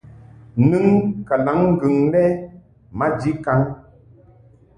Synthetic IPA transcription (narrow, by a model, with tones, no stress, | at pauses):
nɨ˦ŋka˨la˨˦ŋ̩ː˦ɡɨ˨ŋlɛ˦ | ma˦d͡ʒi˦ka˨˦ŋ